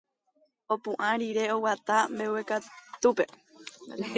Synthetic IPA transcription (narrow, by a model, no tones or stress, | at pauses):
o̞pũʔãɾiɾe̞o̞wat̪ambe̞wekat̪upe̞